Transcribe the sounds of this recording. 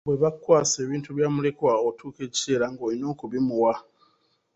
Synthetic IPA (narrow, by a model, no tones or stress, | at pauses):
βwe̞βakːwaːse̞ːβiːntuβjaːmule̞kwaotʰuːke̞ːci̥se̞ːlaŋɡo̞ːlino̞ːkuβimuwa